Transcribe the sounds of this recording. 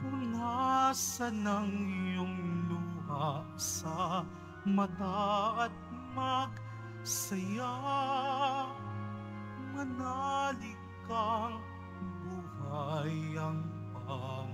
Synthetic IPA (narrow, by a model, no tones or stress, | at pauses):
ʊnasɐnɐŋjʊŋluɦa | sɐ | mɐt̪aɐt̪̚mɐɡ | sɐja | ŋɐnalɪ | kaŋ | buhajɐŋbaŋ